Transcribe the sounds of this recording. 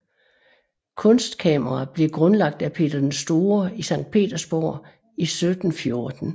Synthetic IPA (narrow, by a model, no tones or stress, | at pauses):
kʰɔ̽nsd̥kʰɛ̰mɐʁɑb̥le̝ɡ̥ʁɔ̽nlɑ̈ɡ̥̚d̥æpʰe̝̰ːd̥ɐd̥ensd̥o̝ːɐisɑ̈ŋ̰d̥̚pʰe̝̰ːd̥ɐsb̥ɔ̰ː | isød̥n̩fjo̝ɐd̥n̩